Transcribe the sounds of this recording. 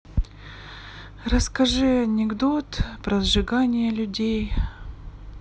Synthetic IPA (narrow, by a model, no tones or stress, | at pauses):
rəskɐʐɨɐnʲɪɡd̪ot̪pɾɐzʐɨɡanʲɪjəlʲʉdʲej